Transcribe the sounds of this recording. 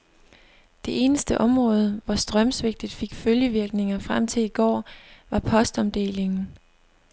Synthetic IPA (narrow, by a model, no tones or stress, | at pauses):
d̥e̝ʔe̝ːnəsd̥əʔɒ̽mʁɔ̽ːð̞ˠəʋɒsd̥ʁɶmsʋeɡ̥̚d̥ð̩ˠfe̝ɡ̥føljəʋiɐɡ̥ne̝ŋɐfʁam̰t͡sʰe̝liɡ̥ɒ̰ːʋɑ̈pʰɒ̽sd̥ɒ̽md̥e̝̰ːle̝ŋn̩